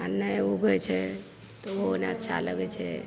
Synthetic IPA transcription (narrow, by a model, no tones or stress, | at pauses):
anːəuɡət͡ʃʰɛ | t̪oonaətːʃʰa̰ləɡɛt͡ʃʰɛ̰